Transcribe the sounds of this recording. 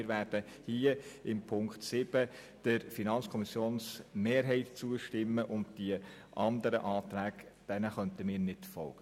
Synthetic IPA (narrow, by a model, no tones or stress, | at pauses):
ɾʋæːɾd̥ə | hiəɪmpʰʊŋkχtsɪb̥ə | d̥əɾfinɑnt͡sskʰɔmɪsjoːnsmeːɾɦɛɪtt͡suəʃtɪmːəʔʊntd̥iə | ʔɑndəɾə̰ʔɑːt̪ɾæːɡd̥ɛnəχœntəmiːɾnɪtfɔ̰lɡ̥ə